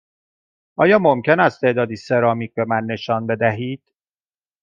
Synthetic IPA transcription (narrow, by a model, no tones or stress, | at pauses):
ʔɒːjɒːmo̞mce̞næst̪ʰe̞ʔd̪ɒːd̪iːse̞ɾɒːmiːc̚be̞mænːe̞ʃɒːnbe̞d̪æɦiːd̪̥